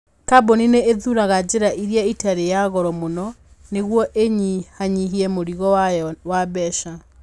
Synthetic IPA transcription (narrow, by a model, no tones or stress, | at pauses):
kabonineeðuɾaɣad͡ʑeɾaʔiɾjaitaɾejaɣɔɾɔmonɔ | neɣwɔʔeɲihaɲiɦiɛmoɾiɣɔwaβɛʃa